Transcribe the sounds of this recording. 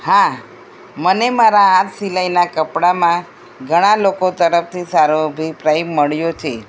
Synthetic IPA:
hã | mənemaɾaãt̪silajnakəpɽamã | ɡʱəɽ̃alokot̪əɾəft̪ʰisaɾoəbʱipɾajbməɭjot͡ʃʰe

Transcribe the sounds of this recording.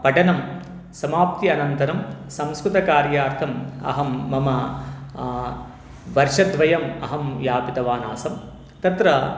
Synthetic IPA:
pɐʈɐnɐm | sɐmaːp̚t̪iɐnɐnt̪ɐɾɐmsɐ̃mskɾut̪ɐkaːɾjaːɾt̪ʰɐmɐ̰ɦɐmːɐmɐ | ʋɐɾʃɐd̪ʋɐjɐmɐɦɐmjaːpit̪ɐʋaːna̰ːsɐm | t̪ɐt̪ɾɐ

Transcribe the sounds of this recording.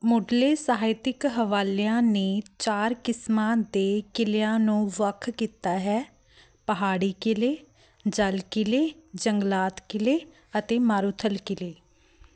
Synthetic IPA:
mʊːɖleːsəɦaːɪt̪ɪkɦəʋaːleãːneːt͡ʃaːɾkɪsmãːd̪eːkɪleãːnũːʋəkʰkiːt̪aːɦɛː | pəɦaːɽiːkɪleː | d͡ʒəlkɪleːd͡ʒəŋɡlaːt̪kɪleː | ət̪eːmaːɾuːt̪ʰəlkɪleː

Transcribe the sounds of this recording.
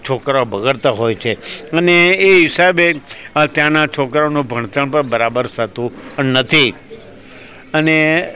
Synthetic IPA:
t͡ʃʰokɾaobəɡəɭt̪aɦojt͡ʃʰeəneːɦɪsabet̪jãnat͡ʃʰokɾaonũbʱəɳt̪əɳpəɾbəɾabəɾt̪ʰət̪ũnət̪ʰi | əne

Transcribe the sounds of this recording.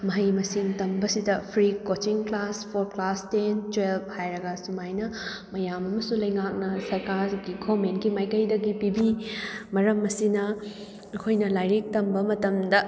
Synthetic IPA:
mɐɦɐjmɐsiŋtɐmbɐsidɐpʰɾikot͡ʃiŋklaspʰoɾklastent͡ʃwelbhajɾɐɡɐsumajnɐ | mɐjamɐmɐsulɐjŋak̚nɐsɐɾkaɾɡiɡʰomenɡimajkɐjdɐɡipibimɐɾɐmːɐsinɐː | kʰojnɐlajɾik̚tɐmbɐmɐtɐmdɐ

